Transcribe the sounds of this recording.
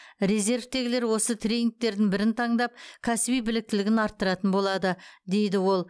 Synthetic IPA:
ɾe̞ze̞ɾvt̪e̞ɡʲɪle̞ɾwo̞sət̪ʰɾʲe̞nʲɪŋk̚t̪e̞ɾd̪ɪŋbɪɾɪnt̪ʰɑɴd̪ɑp̚kʲʰæsɪbijbɪlɪk̚t̪ɪlɪɡʲɪnɑɾt̪ːəɾɑt̪ənbo̞lˠɑd̪əd̪e̞jd̪ɪwo̞lˠ

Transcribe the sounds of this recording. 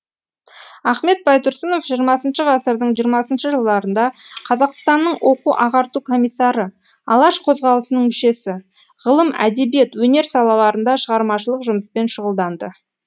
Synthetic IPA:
ɑχme̞t̪̚bɑjt̪ʰʊɾsəno̞fʒijəɾmɑsənʃəʁɑsəɾd̪əɴʒijəɾmɑsənʃəʒəlˠd̪ɑɾənd̪ɑqʰɑzɑqst̪ɑnːəɴwʔo̞quʔɑʁɑɾt̪ukʰo̞mijsːɑɾə | ɑlˠɑʃqʰo̞zʁɑlˠəsənəɴmʏʃe̞sɪ | ʁəlˠəmæ̰d̪e̞bje̞t̪wɵne̞ɾsɑlˠɑw̪ɑɾənd̪ɑʃəʁɑɾmɑʃəlˠəqʒʊməspe̞nʃʊʁəlˠd̪ɑnd̪ə

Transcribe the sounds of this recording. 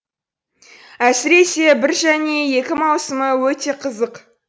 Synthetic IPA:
æsɪɾe̞se̞bɪɾʒæne̞je̞kʲɪmɑwsəməwɵt̪e̞qʰəzəq

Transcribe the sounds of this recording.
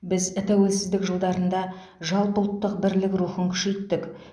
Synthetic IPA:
bɪzt̪ʰæwe̞lsɪzd̪ɪkʒəlˠd̪ɑɾənd̪ɑ | ʒɑlˠpəlˠt̪ːəqbɪɾlɪkɾuχəŋkʲʰʏ̥ʃe̞jt̪ːɪk

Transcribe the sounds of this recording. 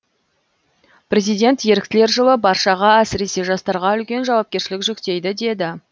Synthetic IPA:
prʲe̞zijd̪ʲe̞nt̪je̞ɾɪk̚ʲt̪ɪle̞ɾʒəlˠəbɑɾʃɑʁɑæsɪɾe̞se̞ʒɑst̪ɑɾʁɑʏlkʲe̞nʒɑwɑp̚kʲe̞ɾʃɪlɪkʒʏkt̪e̞jd̪ɪd̪e̞d̪ɪ

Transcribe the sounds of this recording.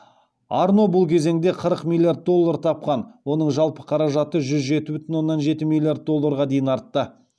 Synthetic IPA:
ɑɾno̞bʊlˠkʲʰe̞ze̞ŋd̪e̞qʰəɾəqmʲilʲːˠiard̪̚d̪o̞lˠːaɾt̪ʰɑp̚qɑnwo̞nəɴʒɑlˠpə̥qʰɑɾɑʒɑt̪əʒʏzʒe̞t̪ɪbʏt̪ɪnwo̞nːɑnʒe̞t̪ɪmilʲːˠiard̪̚d̪o̞lˠːaɾʁɑd̪e̞jɪnɑɾt̪ːə

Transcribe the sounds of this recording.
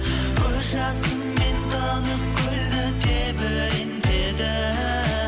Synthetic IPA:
kʲʰɵɾʒɑsəmment̪ʰɑnəq̚kʲʰɵld̪ɪd̪ebɪ | end̪ed̪ɪ

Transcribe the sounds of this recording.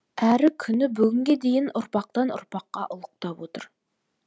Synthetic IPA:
æɾɪkʲʰynɪbyɡʲyŋɡʲed̪ejɪnʊɾpɑq̚t̪ɑnʊ̰ɾpʰɑqːɑʔʊlˠʊq̚t̪ɑpwot̪ʰʊɾ

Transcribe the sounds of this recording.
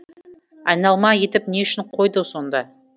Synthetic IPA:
ɑjnɑlˠmɑje̞t̪ɪp̚ne̞ʏʃɪɴqʰo̞jd̪əso̞nd̪ɑ

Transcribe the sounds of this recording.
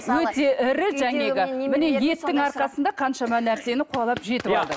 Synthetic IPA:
wɵt̪e̞ʔɪɾɪʒæŋeɡʲɪmɪne̞je̞t̪ːɪŋɑɾqɑsənd̪ɑqʰɑnʃɑmɑnæɾse̞nɪqʰʊɑlˠɑpʒe̞t̪ɪbɑlˠd̪ə

